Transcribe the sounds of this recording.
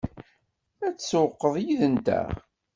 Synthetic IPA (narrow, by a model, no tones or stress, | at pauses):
æt͡sːswqːəðˤjiðənt̪æ̰